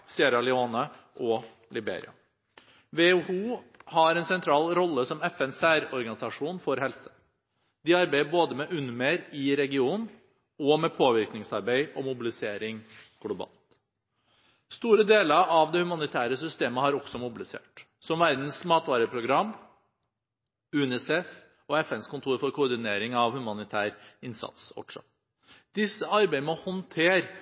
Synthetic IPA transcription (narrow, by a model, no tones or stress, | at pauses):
sɪɛɾɑlɪoːnə | ʔɔ | lɪbḛːɾɪ̰ɑ̰ | ʋeːohuːhɑɾɛnsɛnt̪ʰɾɑːlɾɔlːəsɔmɛfɛnsæːɾɔɾɡɑnɪsɑʂuːnfɔɾhɛlsə | d̪ɪɑɾbæɪəboːd̪əmɛʔʉnmeːɾɪɾɛɡɪuːn | ɔmɛpʰoːʋɪɾknɪŋsɑɾbæɪʔɔmʊbɪlɪseːɾɪŋɡ̥ɽʉbɑ̰ːlt̪ | st̪uːɾəd̪eːləɾɑʋd̪ɛhʉmɑnɪt̪ʰæːɾəsʏst̪eːməhɑɾɔksɔmʊbɪlɪsḛːʈ | sɔmʋæɾd̪n̩smɑːt̪ʋɑːɾəpʰɾʊɡɾɑmː | ʉnɪsɛf | ɔɛfɛnskʰʊnt̪ʰuːɾfɔɾkʰʊʊɾɖɪneːɾɪŋɑʋhʉmɑnɪt̪ʰæːɾɪnsɑ̰t̪sɔ̰ʈʂə̰ | d̪̥ɪsːəɑɾbæɪmɔhɔnt̪ʰeːɾ